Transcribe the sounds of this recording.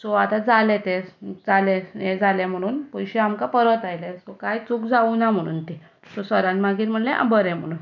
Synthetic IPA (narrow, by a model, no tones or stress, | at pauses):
sɔat̪ad͡zalɛt̪ɛd͡zalɛed͡zalɛm̤əɽ̃uːnpɔjɕeamkapəɾət̪ajlɛsɔkajt͡sukd͡zaunam̤əɽ̃ṵːnt̪i | sɔsəɾãnmaɡiːɾm̤əɽlɛʔa̰bəɾɛ̃m̤əɽ̃uːn